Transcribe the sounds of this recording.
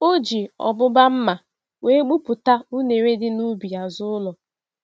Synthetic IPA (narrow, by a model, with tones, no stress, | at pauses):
o˦d͡ʒi˨ɔ̰˨bʊ˦ba˦m̩˦ma˨ | we˦ɡ͡bu˦pʊ˨ta˦u˦ne˨ɾe˦dɪ˦nu˦bi˨a˨zʊ˦ʊ˦lɔ˨